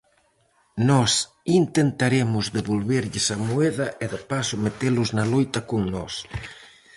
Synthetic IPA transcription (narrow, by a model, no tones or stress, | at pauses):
nɔs | int̪ent̪aɾemʊzðeβolβeɾʎɪsamueðɐʔeðapasʊmet̪elʊznalojt̪ɐkoŋnɔs